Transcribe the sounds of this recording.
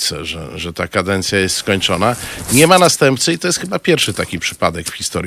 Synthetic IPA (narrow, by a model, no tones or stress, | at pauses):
sɛ̰ʐɛ̰ʐɛt̪akad̪ɛnt̪sʲjajɛst̪skɔɲt͡ʂɔnaɲɛmanast̪ɛmpt̪sɘit̪ɔjɛst̪xɘbapʲjɛɾfʂɘt̪akʲipʂɘ̥pad̪ɛkfxʲist̪ɔɾ